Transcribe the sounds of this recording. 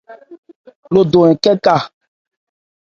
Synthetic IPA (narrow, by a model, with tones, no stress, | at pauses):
lo˨do˨ɛ̃˨kɛ˦ka˦˨